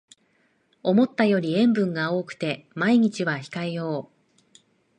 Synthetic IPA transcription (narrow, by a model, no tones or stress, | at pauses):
o̞mo̞t̪ːajo̞ɾʲiẽ̞mbɯ̟̃ŋɡao̞ːkɯ̟̥t̪e̞maiɲ̟it͡ɕiβaçi̥kaejo̞ː